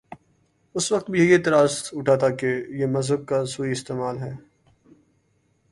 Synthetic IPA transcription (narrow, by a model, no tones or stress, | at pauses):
ʊsʋɐq̚t̪̚bʱiejet̪ɐɾaːst̪ʊʈʰaːt̪aːkejemɐzəb̚kasuːiɪst̪eːmaːlɦɛː